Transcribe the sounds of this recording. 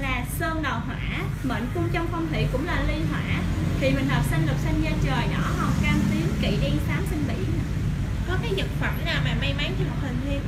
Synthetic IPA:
laː˨˩səː˧ŋɗə˨˩wɦwa̰ː˧˥˨ | ɓə̰˧˨ŋ̟kʊ˧ŋ͡mt͡ɕɔ˧wŋ͡mfə˧wŋ͡mt̪ʰḭ˧˨kʊ̰˧˥ŋ͡mlaː˨˩li˧ɦwa̰ː˧˥t̪ʰi˨˩mï˨˩ŋ̟həː˨˩p̚sa˧nlɨ˨˩k̚sa˧ŋ̟ɲə˧t͡ɕəː˨˩jɗɔ˧˥ŋɔ˨˩wkaː˧mt̪i˨˦əŋkḭ˧˨ɗi˧saː˨˦msï˧ŋ̟ɓḭ˧˨ən˨ | kɔ˨˦kaː˨˦jzə˨˩t̚fə˧˩mnaː˨˩wmaː˨˩ma˧jma˨˦jt̪ʰi˧˩mo˨˩t̚hï˨˩ŋ̟li˧ə

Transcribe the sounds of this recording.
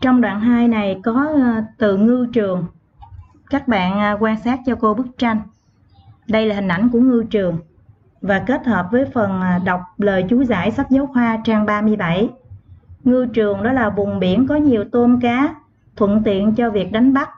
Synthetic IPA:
t͡ɕɔ˧wŋ͡mɗwa̰ː˧˨nɦaː˧jna˨˩jkɔ˨˦t̪ɨ˧˨ŋɨ˧t͡ɕɨ˨˩əŋ | kaː˦˥k̚ɓa̰ː˧˨nːkwaː˧nsaː˦˥t̚t͡ɕɔ˧ko˧ɓɨ˦˥k̚t͡ɕa˧jŋ̟ | ɗə˧jlaː˨˩hï˨˩ŋ̟ʔa̰˧˩jŋ̟ku˧˩əŋɨ˧t͡ɕɨ˨˩əŋ | vaː˨˩ke˦˥t̚həː˨˩p̚vəː˨˦jfə˨˩n˩ɗa˨˩wk͡p̚ləː˨˩jt͡ɕu˨˦za̰ː˧˩jsa˦˥t̚zə˨˦wxwaː˧t͡ɕaː˧ŋɓaː˧mɨ˧əjɓa˧˩j | ŋɨ˧t͡ɕɨ˨˩əŋɗɔ˨˦laː˨˩ɓʊ˨˩ŋ͡mɓi˧˩ənkɔ˨˦ɲi˨˩əwt̪o˧nkaː˨˦ | t̪ʰwə̰˧˨nt̪ḭ˧˨ənt͡ɕɔ˧vi˨˩ək̚ɗa˨˦jŋ̟ɓa˦˥t̚

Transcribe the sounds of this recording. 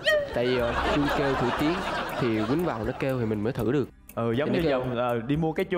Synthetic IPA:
t̪a̰ː˧˨jvi˨˩ʔo˨˧jt͡ɕu˧ke˧wt̪ʰṵ˧˩t̪i˨˦ənt̪ʰi˨˩kwi˨˦ŋ̟va̰ː˧˨wnɔ˨˦ke˧wt̪ʰi˨˩mï˨˩ŋ̟məː˨˦jt̪ʰɨ̰˧˩ɗɨ˨˩ək̚ | ʔəː˨˩zə˨˦wŋ͡mɲɲɨ˧zə˨˩wŋ͡mʔəː˨˩ɗi˧mu˧əkaː˨˦jt͡ɕu˧

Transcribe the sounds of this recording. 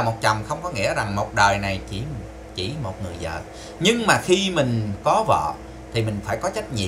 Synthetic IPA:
mo˨˩t̚t͡ɕə˨˩wŋ͡mxə˧wŋ͡mkɔ˨˦ŋḭ˧˥əza˨˩ŋmo˨˩t̚ɗəː˨˩jna˨˩jt͡ɕi˧˩ | t͡ɕi˧˩mo˨˩t̚ŋɨ˨˩əjzə̰ː˧˨ | ɲɨ˧ŋmaː˨˩xi˧mï˨˩ŋ̟kɔ˨˦və̰ː˧˨ | t̪ʰi˨˩mï˨˩ŋ̟faː˧˩jkɔ˨˦t͡ɕa˦˥k̚ɲḭ˧˨

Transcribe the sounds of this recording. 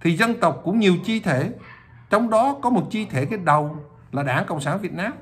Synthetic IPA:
t̪ʰi˨˩zə˧nt̪ə˨˩wk͡p̚kʊ̰˧˥ŋ͡mɲi˨˩əwt͡ɕi˧t̪ʰe˧˩˨ | t͡ɕɔ˧wŋ͡mɗɔ˨˦kɔ˨˦mo˨˩t̚t͡ɕi˧t̪ʰe˧˩ke˧˥n̚ɗə˨˩w | laː˨˩ɗaː˧˩ŋkə̰˧˨wŋ͡msaː˧˩nvi˨˩ət̚naː˧m

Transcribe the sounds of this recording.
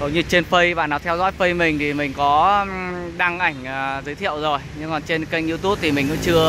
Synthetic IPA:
ɗə˨˦wɲɨ˧t͡ɕe˧nfə˧jɓa̰ː˧˨naː˨˩wt̪ʰɛ˧wzɔ̰˧˥jfə˧jmï˨˩ŋ̟t̪ʰi˨˩mï˨˩ŋ̟kɔ˨˦ | ɗa˧ŋʔa˨˧˩jŋ̟ː˨˩zɨ˨˦jt̪ʰḭ˧˨əwzo˨˩jɲɨ˧ŋkɔ˨˩nt͡ɕe˧nkə˧jŋ̟ʔi˧t̪u˦˥p̚t̪ʰi˨˩mï˨˩ŋ̟kʊ̰˧˥ŋ͡mt͡ɕɨ˧ə

